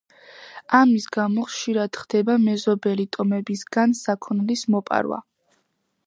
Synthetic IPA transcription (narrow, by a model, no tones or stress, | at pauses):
amisɡamɔχʃiɾad̪̥χd̪̥ɛbamɛzɔbɛlit̪ʼɔmɛbisɡansakʰɔnlismɔpʼa̰ɾwa̰